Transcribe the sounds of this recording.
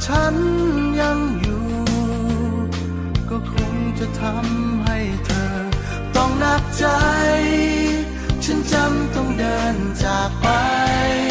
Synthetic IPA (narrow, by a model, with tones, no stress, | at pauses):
t͡ɕʰa˦˥nja˧ŋjuː˨˩ | kɔː˧˩kʰo˧˥ŋt͡ɕa˨˧˩t̪ʰa˧˥mɦa˥˩jt̪ʰɤː˧ | t̪ɔ˥˩ŋna˧˩k̚t͡ɕa˧jj | t͡ɕʰa˥˨nt͡ɕa˧˥mt̪ɔ˧˩ŋdɤː˧nt͡ɕaː˨˩k̚pa˧j